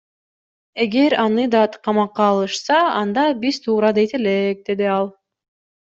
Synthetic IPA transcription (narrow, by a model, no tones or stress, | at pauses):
e̞ɡe̞ɾɑnɯd̪ɑt̪qʰɑmɑqːɑːlˠɯʃsɑɑnd̪ɑbiz̥t̪ʰuːɾɑd̪ejt̪e̞lek̚d̪e̞d̪iɑlˠ